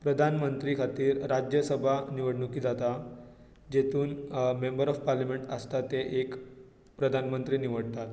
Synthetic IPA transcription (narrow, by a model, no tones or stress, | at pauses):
pɾəd̪ʱanmənt̪ɾikʰat̪iːɾːad͡ʑjəsəbʱaniʋəɽɳukiːd͡zat̪a | d͡ʑet̪ʰuːnmembəɾɔfpaɾljameɳʈəst̪at̪eʔek | pɾəd̪ʱanmənt̪ɾiːniʋəɽt̪at̪